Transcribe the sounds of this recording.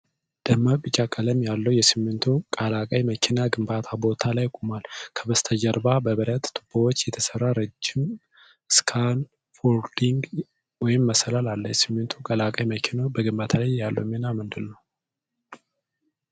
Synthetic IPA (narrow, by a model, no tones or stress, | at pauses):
d̪̥əmːabɨt͡ʃʼːakʼələmjalːəwjɛsɨmːɨnt̪ʰukʼalakʼajməkʰɪnaɡɨmbat̪ʰabo̞t̪ʰalajkʼumalkʰəbəst̪ʰəd͡ʒəɾbabəβəɾət̪t̪ʰʼːɨb̥owot͡ʃːjɛt̪ʰəsərːaɾɨd͡ʒːɪm | ɨskʰan | foɾd̪iŋɡ | wɔjɪmːəsəlalalːəjɛsɨmːɨnt̪ʰukʼalakʼəjməkʰinəwbəɡɨmbat̪ʰalajalːə̰wmenamɨnd̪ɨlnəw